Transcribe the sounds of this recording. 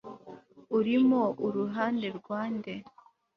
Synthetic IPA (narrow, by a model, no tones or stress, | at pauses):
uɾimouɾuɦaːnde̞ɾɡwaːnde̞